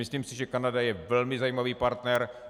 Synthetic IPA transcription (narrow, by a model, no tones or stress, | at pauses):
ɪsliːmsɪʒɛkanadajɛvɛlmɪzajiːmaviːpaɾt̪nɛɾ